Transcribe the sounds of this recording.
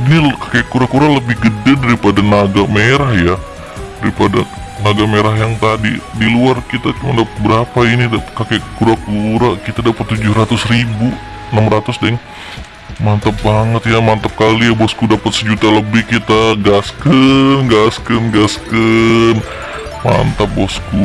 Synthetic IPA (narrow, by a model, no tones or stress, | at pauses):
inikḁkekuɾakuɾaləbɪhɡədadaɾipadanaɡameɾahja | daɾipada | naɡameɾahjaŋt̪adidiluarkit̪at͡ʃumandapt̪̚bəɾapainidakakɛkuɾakuɾakit̪adapat̪ːud͡ʒʊhɾat̪ʊsribu | namrat̪ʊsdɛŋ | mant̪ap̚baŋət̪jamant̪ap̚kalijabɔskudapat̪səd͡ʒut̪aləbɪhkit̪aɡaskənɡaskənɡaskən | ma̰nt̪ap̚bɔsku